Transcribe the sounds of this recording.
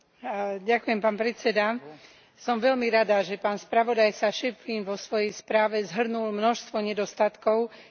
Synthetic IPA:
ɟakujɛmpaːnpɾɛt͡sɛd̪a | sɔmʋɛʎmiɾad̪aʒɛpaːnspɾaʋɔd̪ajsaʃɛfiːnʋɔsʋɔjɛjspɾaːʋɛzɦr̩nulmnɔʃst̪ʋɔɲɛd̪ɔst̪at̪kɔʊ

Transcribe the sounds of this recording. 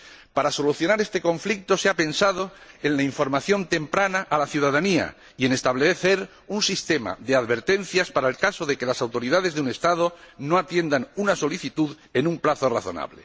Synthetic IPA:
paɾaso̞luθjo̞naɾe̞st̪e̞kõ̞ɱflik̚t̪o̞seape̞nsað̞oenlaiɱfo̞ɾmaθjo̞nt̪e̞mpɾanaʔalaθjuðaðania̰ | ie̞ne̞st̪aβ̞leθe̞ɾ | unsist̪e̞ma̰ðe̞aðβe̞ɾt̪e̞n̟θjaspaɾaelkasoðe̞ke̞lasawt̪o̞ɾiðað̞e̞zðeune̞st̪að̞ono̞at̪je̞nd̪aŋunaso̞liθit̪uð | e̞nũmplaθo̞raθo̞̰na̰βle̞̰

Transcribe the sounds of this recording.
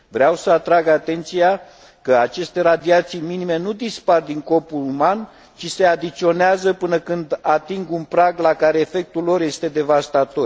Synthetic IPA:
vɾeawsəat̪ɾaɡat̪e̞nt̪sija | kəat͡ʃe̞st̪e̞ɾad̪iat̪sijminime̞nud̪ispard̪iŋko̞puluman | t͡ʃise̞ad̪it̪sio̞neazəpɨnəkɨnd̪at̪iŋɡunpɾaɡlakaɾe̞ːfe̞k̚t̪ulːo̞ɾje̞st̪e̞d̪e̞vast̪at̪o̞r

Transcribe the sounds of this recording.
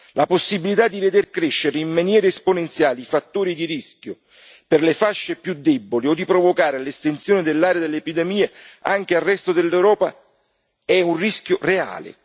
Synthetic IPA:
laposːibilit̪ad̪ːived̪erkɾeʃːeɾeimmanjɛːɾeesponent̪sjaːlifat̪ːoːɾid̪iɾiskʲjʊ | pɪrlefaʃːepjud̪ːɛbːoliod̪ːipɾovokaːɾelest̪ent̪sjoːnɪd̪elːaːɾead̪elːeepid̪emiːeaŋk̟earːɛst̪od̪elːewɾɔːpa | ɛunriskjʊrea̰ːlɪ̰

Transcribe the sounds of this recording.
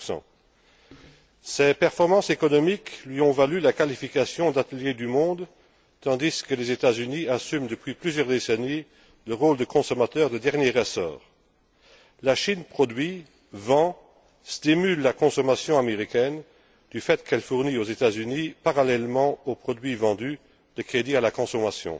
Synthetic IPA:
ɑ̰̃ | sɛpɛʁfɔʁmɑ̃sekɔnɔmiklɥiɔ̃valylakalifikasjɔ̃d̪at̪əljed̪ymɔ̃d̪ | t̪ɑ̃d̪iskəlɛzet̪azyniasymd̪əpɥiplyzjœʁd̪eseni | ləʁold̪əkɔ̃sɔmat̪œːʁd̪əd̪ɛʁnjeʁəsɔ̰ːʁ | laʃinpχɔd̪ɥi | vɑ̃ | st̪imylːakɔ̃sɔmasjɔ̃ameʁikɛn | d̪̥yfɛt̪kʰɛlfuʁniozet̪azynipaʁalɛlmɑ̃opχɔd̪ɥivɑ̃d̪y | d̪̥əkχed̪ialakɔ̃sɔmasjɔ̰̃

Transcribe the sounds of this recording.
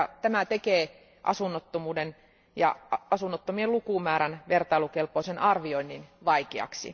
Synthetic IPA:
ɑt̪æmæt̪ekeː | ʔɑ̰sunːot̪ːomuːden | jɑ̰ɑsunːot̪ːomielukuˑmæːɾænʋert̪ɑilukelpoisenɑrʋioinːinʋɑikeɑ̰ksḭ

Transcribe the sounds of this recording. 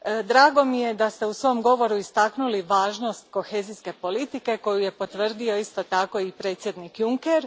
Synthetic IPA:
d̪ɾaːɡo̞mije̞d̪ast̪eusʋo̞mɡo̞ʋo̞ɾuist̪aknuliʋaːʒno̞st̪ko̞xe̞ːziske̞po̞lit̪ike̞ko̞juje̞po̞t̪ʋr̩d̪io̞ist̪o̞t̪ako̞ipɾe̞ːt̪sje̞d̪nikjuŋkeɾ

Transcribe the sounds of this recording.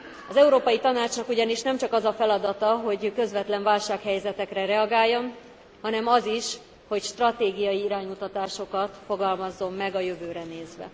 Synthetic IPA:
ɒzɛuɾoːpɒjit̪ɒnaːt͡ʃnɒkuɟɒniʃnɛmt͡ʃɒkɒzɒfɛlɒd̪ɒt̪ɒɦo̞ɟkø̞zvʋɛt̪lɛɱvaːlʃaːkhɛjzɛt̪ɛkrɛɾɛɒɡaːjːo̞n | hɒnɛmɒziʃ | ho̞cʃt̪rɒt̪eːɡijɒjiiɾaːɲmut̪ɒt̪aːʃo̞kɒt̪fo̞ɡɒlmɒzːo̞mːɛɡɒjø̞vøːɾɛneːzʋɛ̰

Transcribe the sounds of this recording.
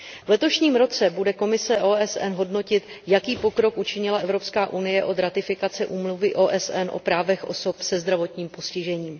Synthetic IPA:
vlɛt̪o̞ʃɲiːmɾo̞t͡sɛbudɛko̞mɪsɛʔoːʔɛsʔɛnɦo̞dno̞cɪt̪jakiːpo̞kɾo̞kʔut͡ʃɪɲɪlaʔɛvɾo̞pskaːʔunɪjɛʔo̞d̪ɾat̪ɪfɪkat͡sɛʔuːmluvɪʔo̞ːʔɛsʔɛnʔo̞̰pɾaːvɛxʔo̞̰so̞psɛzd̪ɾavo̞t̪ɲiːmpo̞scɪʒɛɲiːm

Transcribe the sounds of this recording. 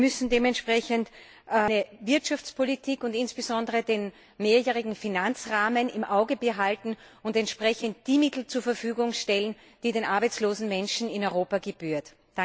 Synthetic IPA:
mʏsn̩deːmɛntʃpʁ̥ɛçənt | nəvɪɐtʃaft͡spʰolitʰiːkʊntɪnsb̥əzɔndəʁədeːn | meːɐjɛːʁ̞ɪɡŋ̩finant͡sʁaːmənɪmʔaʊɡəbəɦaltn̩ | ʊntɛntʃpʁ̥ɛçənt̚d̥iːmɪtl̩t͡suːɐfɐfyːɡʊŋʃtɛlən | d̥iːdeːnʔaɐbæɪt͡sloːzn̩mɛnʃn̩ɪnɔʏʁoːpaɡeb̥yːɐtː | a

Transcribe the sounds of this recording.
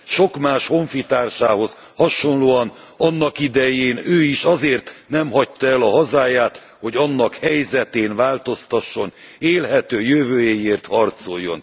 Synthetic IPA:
ʃo̞kmaːʃho̞ɱfit̪aːrʃaːɦo̞z | hɒʃo̞nloːɒnɒnːɒkid̪ɛjeːnøːiʃɒzeːrt̪nɛmɦɒct̪ɒɛlɒɦɒzaːjaːt̪ | ho̞ɟɒnːɒkhɛjzɛt̪eːnvaːlt̪o̞st̪ɒʃːo̞n | eːlɦɛt̪øːjøvøːjejeːrt̪hɒrt̪so̞jːo̞̰n

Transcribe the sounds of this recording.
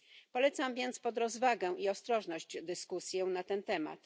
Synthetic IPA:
pɔlɛt̪samvʲjɛnt̪spɔd̪ɾɔzvaɡɛ̃iɔst̪ɾɔʐnɔɕt͡ɕd̪ɘskusʲjɛnat̪ɛnt̪ɛma̰t̪

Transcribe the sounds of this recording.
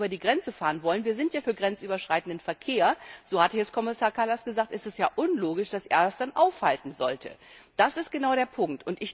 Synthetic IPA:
bɐdiːɡʁɛnt͡səfaːʁənvɔlənviːɐzɪntjaːfyːɐɡʁɛnt͡sʔyːbɐʃʁ̥aɪtn̩dənfɛɐkʰeːɐz̥oːhatəçɛskʰɔmɪsaːɐkʰalasɡ̥əzaːk̚tʔɛstɛstjaːʔʊnloːɡɪʃd̥asʔḛːɐdasd̥anʔaʊfhaltn̩zɔ̰ltʰə̰d̥asɪst̚ɡ̥ənaʊɾeːɐpʰʊŋk̚tʊntɪç

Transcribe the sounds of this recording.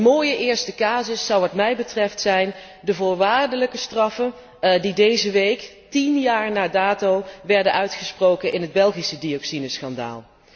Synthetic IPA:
əmoːjəʔɪːɹstəkaːzəsːɑwʋɑtmɛjbətrɛftsɛjn | dəvʊːɹʋaːɹdələkəstrɑfən | didejzəʋejk | tinjaːɹnaːdaːtowʋɛɹdənʔœɥtχəsprowkənʔɪnɦəd̚bɛlˠχisədiɔksinəsχɑnda̰ːlˠ

